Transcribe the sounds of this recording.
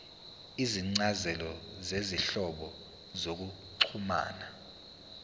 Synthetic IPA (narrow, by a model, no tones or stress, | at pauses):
iziŋ͡ǀazɛlɔzeziɬɔɓɔ | zok̬u | ǀʰuma̰ːna